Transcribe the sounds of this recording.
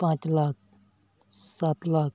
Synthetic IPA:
pãːt͡ʃlaːk̚ | saːt̪laːk

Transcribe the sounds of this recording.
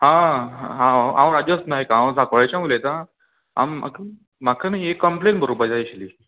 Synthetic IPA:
ɦãa̰ɦãããwɾad͡ʑjasnaɦekaãw̃d͡zʱakʋɭajt͡ɕjamulet̪ã | a̰ma̰ki | makʰanaiekːəmplẽnbʱəɾobəd͡ʑaiɕliː

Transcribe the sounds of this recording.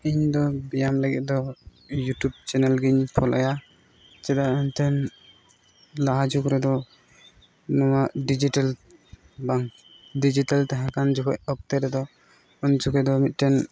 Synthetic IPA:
iɲd̪ɔbijamləɡɛt̪̚ˀd̪ɔ | juʈub̚t͡ʃɛnɛlɡiɲpʰɔlʔa̰ja | t͡ʃɛd̪aɛɲt̪ʰɛn | laɦad͡ʒukɾɛd̪ɔ | nɔwaʔɖid͡ʒiʈal | baŋ | ɖid͡ʒiʈalt̪aɦakand͡ʒukɔʔ̚ɔk̚t̪ɛɾɛd̪ɔ | unt͡ʃukɛd̪ɔmit̪̚ˀʈɛn

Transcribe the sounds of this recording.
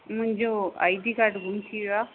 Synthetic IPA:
mʊ̃ɲd͡ʑoa̰jd̪ikaʈɡʱumt̪ʰiea

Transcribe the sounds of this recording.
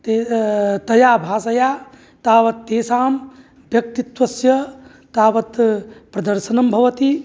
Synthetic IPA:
t̪et̪ɐjaːbʱaːsɐjaː | t̪aːʋɐt̪ːeːsaːm | bʱjɐk̚t̪it̪ʋɐsjɐ | t̪aːʋɐt̪pɾɐd̪ɐɾʃɐnɐmbʱɐʋɐt̪i

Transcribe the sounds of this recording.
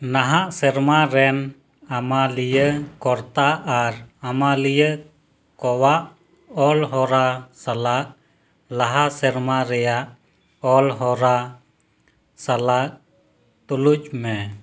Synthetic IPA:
naɦaʔsɛɾmaɾɛn | amalijəkɔɾt̪aʔaɾamalijə | kɔwaʔ | ɔlɦɔɾasalaʔ̚ | laɦasɛɾmaɾɛjaʔ | ɔlɦɔɾa | salaʔ̚ | t̪uluc̚mɛ

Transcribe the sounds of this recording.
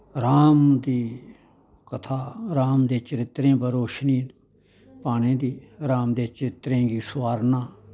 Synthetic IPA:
ɾaːmd̪iː | kət̪ʰaːɾaːmd̪eːt͡ʃəɾɪt̪ɾẽːbəɾoːʃniːn | paːñẽːd̪iːɾaːmd̪eːt͡ʃəɾɪt̪ɾẽːɡiːsʋaːɾnãː

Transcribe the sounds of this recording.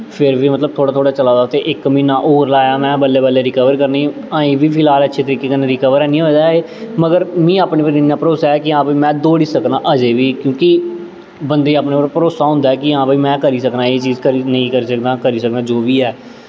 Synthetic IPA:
pʰɪɾʋiːmət̪ləb̚t̪ʰoːɽaːt̪ʰoːɽaːt͡ʃəlaːd̪aːt̪eːʔɪkmĩːnaːʔoːɾlaːjaːmɛ̃ːbəlːeːbəlːeːɾɪkəʋəɾkəɾniː | aːĩːʋiːpʰɪlaːlətːʃʰeːt̪əɾiːkeːkəneːɾɪkəʋəɾɛːnĩːɦoːd̪aːeː | məɡəɾmĩːaːpneːpəɾinːaːpəɾoːsaːɛːkɪãːpaːiːmɛ̃ːd̪oːɽiːsəknaːʔəd͡ʒeːʋiːkjõːkɪ | bənd̪eːaːpneːoːɾpəɾoːsaːɦʊ̃nd̪aɛːkɪãːpaːiːmɛ̃ːkəɾiːsəknaːeːt͡ʃiːzkəɾiːnəĩːkəɾiːsəkd̪ãːkəɾiːsək̚d̪ãːd͡ʒoːʋiːɛː

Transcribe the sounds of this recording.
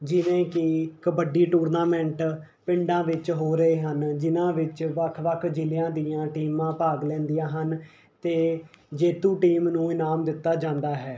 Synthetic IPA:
d͡ʒɪʋẽːkɪkəbəɖiːʈuːɾnaːmɛ̃ɳʈ | pɪ̃ɳɖãːʋɪt͡ʃɦoːɾəeːɦənd͡ʒɪnãːʋɪt͡ʃʋəkʰʋəkʰd͡ʒɪljãːd̪ɪjãːʈiːmãːpaːɡlɛ̃ːnd̪ijãːɦən | t̪eːd͡ʒeːt̪ũːʈiːmnũːɪnaːmd̪ɪt̪ːaːd͡ʒãːnd̪aːɦɛː

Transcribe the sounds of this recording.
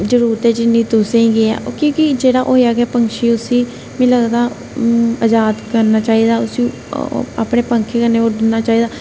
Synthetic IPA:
d͡ʒəɾuːɾt̪eːd͡ʒɪnːiːt̪ʊsẽĩːɡeɛ̰ːkõːkɪd͡ʒeːɽaːʔoːjaːɡɛːpəŋkʃiːʊsiː | mɛ̃ːləɡd̪aː | əd͡ʒaːd̪kəɾnaːt͡ʃaːiːd̪aːʊsi | a̰ːpɽeːpəŋkʰeːkəɾneːoːdɪnːaːt͡ʃaːiːd̪aː

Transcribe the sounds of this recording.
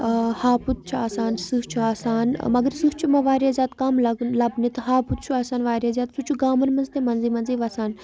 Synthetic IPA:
haːput̪̚t͡ʃʰuaːsaːnsust͡ʃʰuaːsaːnmɐɡəɾsust͡ʃʰumɐ̃ʋaːɾjaːzʲaːt̪kɐmlɐɡlɐbnit̪ɐɦaːput̪̚t͡ʃʰuaːsaːnʋaːɾjaːzʲaːt̪sut͡ʃʰuɡaːmɐnmɐnzt̪emɐnziːmɐnziːʋaːsaːn

